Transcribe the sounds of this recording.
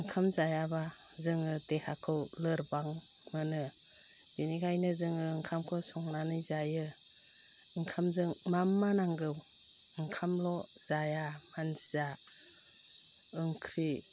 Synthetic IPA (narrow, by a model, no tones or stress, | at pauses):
ɯŋkʰamzajaba | zɯŋɯtehakʰɯwlɯɾbaŋ | mɯnɯ | b̥inikʰajnɯzɯŋɯːŋkʰamkʰɔsɔŋnanɯjzajɯ | ɯŋkʰamzɯŋmamːanaŋɡɯw | ɯŋkʰamlɔ | z̥ajamansza | ɯŋkʰɾi